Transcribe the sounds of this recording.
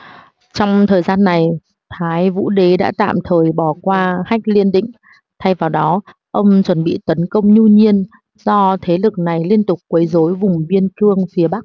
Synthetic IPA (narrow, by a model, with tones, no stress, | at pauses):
t͡ɕɔ˧wŋ͡mt̪ʰəː˨˩jzaː˧nːa˨˩j | t̪ʰaː˨˦jvṵ˧˥ɗe˨˦ɗa̰ː˧˥t̪a̰ː˧˨mt̪ʰəː˨˩jɓɔ˧˩kwaː˧ha˦˥k̟̚li˧ənɗḭ̈˧˨ŋ̟ | t̪ʰa˧jvaː˨˩wɗɔ˨˦ | ʔə˧wŋ͡mt͡ɕwə˧˩nɓḭ˧˨t̪ə˨˦nkə˧wŋ͡mɲu˧ɲi˧ən | zɔ˧t̪ʰe˨˦lɨ˨˩k̚na˨˩jli˧ənt̪ʊ˨˩k͡p̚kwəː˨˦jzo˨˦jvʊ˨˩ŋ͡mɓi˧ənkɨ˧əŋfi˨˦əɓa˦˥k̚